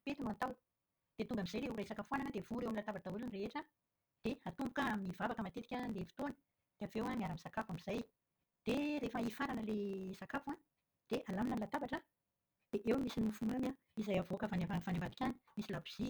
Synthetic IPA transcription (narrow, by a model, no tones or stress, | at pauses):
pet̪unant̪aw | d̪̥et̪uŋɡamizajleurajsakafuananad̪evuɾewamilat̪abaʈ͡ʂaulunreeʈ͡ʂə | d̪̥ehat̪umbukəmivavakəmat̪et̪i̥kʲanlefi̥t̪onə̥ | d̪̥eavewamiaɾamisakafamiz̥aj | d̪̥eɾefəifaɾanəlesakafua | d̪̥eʔalaminəlat̪abaʈ͡ʂə | d̪̥eʔewmisinmufumamja | izajavoakəfanavafanamat̪ikʲani̥misilabiz̥i